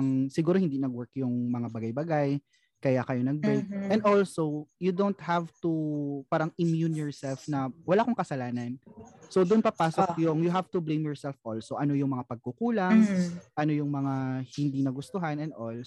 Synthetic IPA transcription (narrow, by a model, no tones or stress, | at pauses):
ŋsɪɡuːɾohɪ̃nd̪inɐɡwɛɹkjʊŋmɐŋabɐɡajbɐɡaj | kɐjakɐjo̞nɐɡ̚bʊk̚ʔɛ̃nd̪ʔolsowjud̪ont̪̚havt̪upaːɾɐŋɪmjunjɔɹsɛlfnɐwɐlaːʔkoŋkɐsɐlaːnɐnsowd̪ʊnpɐpaːsokjoŋjʊɦavt̪ʊblẽjmjɔɹsɛlfʔolsowʔɐno̞jʊŋmɐŋapɐɡ̚kʊkuːlaŋʔɐno̞jʊŋmɐŋahɪnd̪inɐɡʊst̪oɦanɛnd̪ʔol